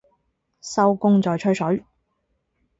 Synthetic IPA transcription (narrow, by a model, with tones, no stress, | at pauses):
sɐ˥wkʊ˥ŋt͡sɔː˨jt͡ʃʰɵ˥ɥsɵ˨˥ɥ